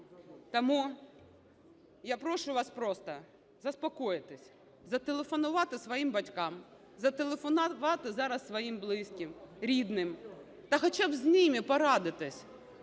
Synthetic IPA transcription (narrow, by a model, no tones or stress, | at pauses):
t̪ɐmu | japɾɔʃʊʋɑspɾɔst̪ɐ | zɐspɔkɔjɪt̪ɪsʲ | zɐt̪elˠefɔnʊʋɑt̪ɪsʋɔjimbɐtʲkɑm | zɐt̪elˠefɔnʋɑt̪ɪzɑɾɐssʋɔjimblˠɪsʲkʲɪmɾʲid̪nɪm | t̪ɐxɔt͡ʃabzʲnɪmʲɪpɔɾɑd̪ɪt̪ɪsʲ